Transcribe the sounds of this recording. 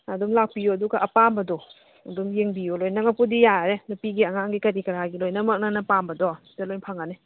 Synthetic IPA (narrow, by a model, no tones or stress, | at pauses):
ɐdmlak̚pijuɐduɡaʔɐpambɐdɔ | ɐdumjeŋbijulojnɐŋapudijaɾenupiɡiɐŋaŋɡikɐɾikɐɾaɡilojnɐmɐk̚nanɐpambɐdɔ | talojnpʰaŋane